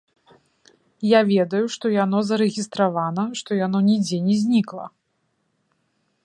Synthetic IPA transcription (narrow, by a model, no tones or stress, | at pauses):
javʲɛd̪ɐjuʂt̪ɔjanɔzɐɾɛɣʲist̪ɾavanɐʂt̪ɔjanɔnʲid͡zʲɛnʲɛzʲnʲiklˠɐ̰